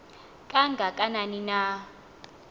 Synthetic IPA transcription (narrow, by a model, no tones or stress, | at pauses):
kʼaŋɡʱakʼananina